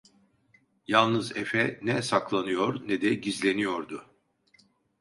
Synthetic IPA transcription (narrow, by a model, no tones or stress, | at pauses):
jalˠnɯzefɛnɛsaklˠanɯjoɾnɛd̪ɛɟizlʲe̞nijo̞ɾd̪ʊ